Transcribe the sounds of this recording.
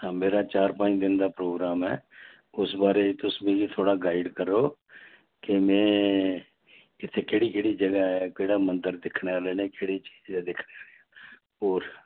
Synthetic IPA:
ɦãːmeːɾaːt͡ʃaːɾpãːɪ̃d̪ɪnd̪aːpɾoːɡɾaːmɛ̰ː | ʊsbaːɾeːt̪ʊsmẽːɡiːt̪ʰoːɽaːɡaːɪɖkəɾːoː | kɪmɛ̃ː | ɪt̪ʰːeːkeːɽiːkeːɽiːd͡ʒəɡaːɛkeːɽaːmənd̪əɾd̪ɪkʰneːaːleːneːkeːɽiːt͡ʃiːd͡ʒɛːd̪ɪkʰneːaːleːaː | ɔːɾ

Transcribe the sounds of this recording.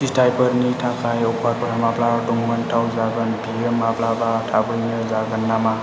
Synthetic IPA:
sitʰajbəɾnitʰakʰajɔpʰwaɾ̚pɔɾamapladuŋmantʰawzaɡɯnbʱiemːaplabatʰabɯjnɯzaɡɯnːama

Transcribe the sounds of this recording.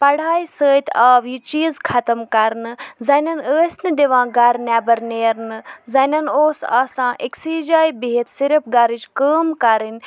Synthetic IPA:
pɐɽ̤aːisəːt̪ʰaːʋjit͡ʃiːzkʰɐt̪əmkɐɾnɨzɐnɐnəːsnɨd̪eʋãːɡaɾnʲaːbɐɾneːɾnɨzɐnɐnoːsa̰ːsãːʔeksiːd͡ʒaːjbiɦet̪siɾɐpɡaːɾid͡ʒkəːmkaɾin

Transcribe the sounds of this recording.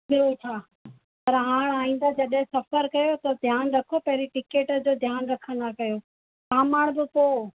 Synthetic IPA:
ɪɾot͡ɕʰaː | pɐɾɦãːɽ̃aːɦĩːn̆d̪ad͡ʑɐɗɦɪ̃sɐpəɾkɐjot̪ɐd̪ʱjaːnɾɐkʰopɐɦɾiʈɪkeːʈd͡ʑoːd̪ʱjaːnɾɐkʰə̃n̆d̪akɐjoː | kaːmaːɽ̃bɪpoː

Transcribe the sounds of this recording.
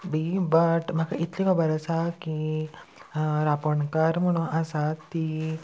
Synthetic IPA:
bibəʈm̤akait̪liʋɔbəɾəsaki | ɾapəɳkaɾm̤əɽ̃ũnʔəsat̪ːi

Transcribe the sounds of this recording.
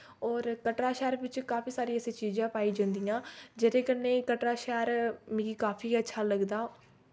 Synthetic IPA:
ɔːɾkəʈɾaːʃɛːɾʋɪt͡ʃkaːpʰiːsaːɾiːɛseːt͡ʃiːzãːpaːiːd͡ʒãːnd̪ijãːd͡ʒeɾeːkəneːkəʈɾaːʃɛːɾmɪ̃ɡiːkaːpʰiːətːʃʰaːləɡd̪aː

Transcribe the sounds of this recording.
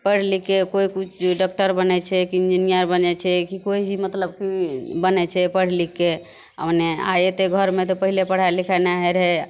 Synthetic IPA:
pəɽ̤likekoikut͡ʃʰɖak̚ʈəɾbənɛt͡ʃʰɛkiind͡ʒinijəɾbənɛt͡ʃʰɛkikoid͡ʒʱimət̪ləb̚kibənɛt͡ʃʰɛpəɽ̤like | ə̰pnea̰jet̪eɡʱəɾmet̪ɔpəɦilepəɽ̤aelikʰanaɦɛɾɦɛ

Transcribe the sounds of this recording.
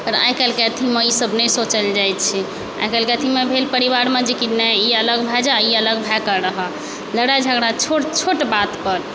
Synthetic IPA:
p̪əɾa̰jkəlkeət̪ʰiməisəbnɛsot͡ʃəld͡ʒajt̪t͡ʃʰi | a̰jkɛlkeət̪ʰimebʱelpəɾiβaɾmed͡ʒikit̪nɛiələɡbʱad͡ʒaiələɡbʱakəɾəɦə | ləɽad͡ʒʱəɡɽat͡ʃʰoʈt͡ʃʰoʈbat̪pəɾ

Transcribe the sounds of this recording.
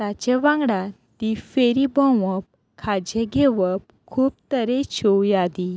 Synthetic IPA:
t̪at͡ɕeʋãŋɡɽa | t̪ifeɾibə̃ʋəp̚ | kʰad͡ʑeɡʱeʋəp̚ | kʰuːp̚t̪əɾet͡ɕʰowjad̪i

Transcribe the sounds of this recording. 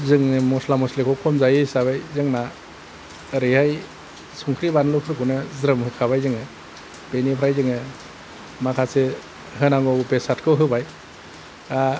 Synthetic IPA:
zɯŋɯmɔslamɔslekʰɔkʰɔmzajɯjsaβajzɯŋna | ɾɯjhaj | suŋkʰɾibanlɔpʰɯɾɡunɯzɾɯmhɯkʰaβajzɯŋɯ | b̥enipʰɾajzɯŋɯ | makʰase | ɦɯnaŋɡɔbesatkʰɯwɦɯbaj | a

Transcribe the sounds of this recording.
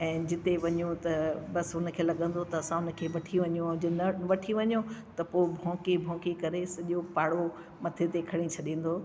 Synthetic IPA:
ɛ̃ːd͡ʑɪt̪eʋɐɲũt̪ɐbɐsʊnkʰeːlɐɠə̃n̆d̪ot̪ɐɐsãʊn̆kʰeːʋɐʈʰiʋɐɲjũd͡ʑnɐʋɐʈʰiʋɐɲjõt̪ɐpobʱɔ̃ːkibʱɔ̃ːkikɐɾesɐʄopaːɽo | mɐt̪ʰet̪ekʰɐɽ̃ĩt͡ɕʰɐɗĩːn̆d̪oː

